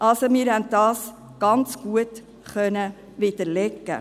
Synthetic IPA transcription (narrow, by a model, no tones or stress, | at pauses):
ʔɑlsomɪːɾhɛntdɑːs | ɡ̥ɑnt͡sɡ̥uət | χœnə | ʋɪd̥̪əɾlɛkːə̰